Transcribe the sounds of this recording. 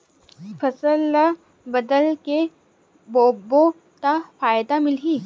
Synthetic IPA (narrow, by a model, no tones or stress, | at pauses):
fəsəla | bəd̪əlke | boːbo | t̪afaːjd̪amɪlɦiː